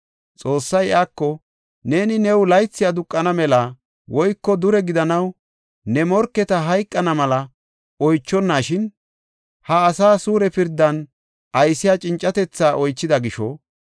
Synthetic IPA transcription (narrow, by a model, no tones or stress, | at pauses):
t͡sʼo̞ːsːɐjaːkːɔ | ne̞ːnɪnɛwlɐjt͡sːɪjad̪ʊkʼːɐnɐmɛlɐ | wɔjkːɔd̪ʊɾɛɡɪd̪ɐnɐw | nɛmɔɾkːɛt̪ɐɦɐjkʼːɐnɐmɐlɐ | ɔjt͡ʃːɔnːaːʃɪn | hɐːsaːsuːɾɛpɪɾd̪ːɐn | ɐjsɪjat͡ʃʼɪnt͡ʃʼːɐt̪ɛt͡sːaːʔɔjt͡ʃːɪd̪ɐɡɪʃɔ